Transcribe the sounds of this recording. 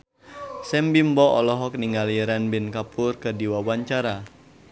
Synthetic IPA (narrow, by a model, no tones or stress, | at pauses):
sɛmbimbɔʔɔlɔɦɔk̚niŋaliɾanbɪnkapʊrkərdiwawaɲt͡ʃaɾa